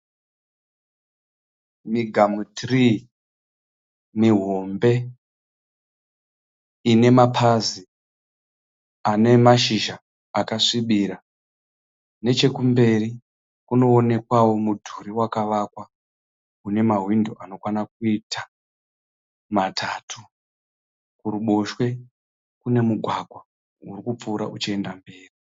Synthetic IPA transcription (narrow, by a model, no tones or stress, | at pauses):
miɡʱamutri | miɦo̞mbe̞ | ine̞mapʰazi | ane̞maʃiʒaː | kaʂiɓiɾa | ne̞t͡ʃe̞kumbe̞ri | kuno̞ːne̞kwawo̞mudʱuɾiwakaʋakwa | une̞maɦwindoʔano̞kwanak̚uitʰa | matʰaːtʰu | kuɾuɓoʃwe̞ | kune̞muɡʱwaɡʱwa | urikup͡fuɾa̰ʔut͡ʃie̞ndambeːri